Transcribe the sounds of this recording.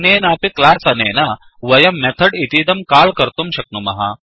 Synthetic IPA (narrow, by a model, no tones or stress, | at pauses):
neːnaːpiklaːsɐneːna | ʋɐjɐmːɛt̪ʰɐɖit̪iːd̪ɐmkaːlkɐɾt̪umɕɐk̚numɐ̰ɦa̰